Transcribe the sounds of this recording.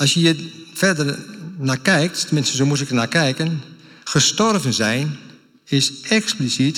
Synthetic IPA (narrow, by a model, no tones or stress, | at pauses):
ɔsjəjəfɛrdərnakɛjk̚ttəmɪnsəzomus̬ɪkənakɛjkən | xəstɔrvənzɛjn | ɪsɛksplisit